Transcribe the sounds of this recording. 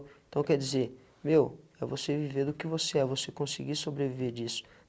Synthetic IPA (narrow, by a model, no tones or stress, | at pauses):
ẽt̪ɐ̃w̃kɛɾd͡ʒizeɾ | mewɛvoseviveɾd̪ʊkɪvoseɛvosekõsiɡiɾsobɾeviveɾd͡ʒisʊ̥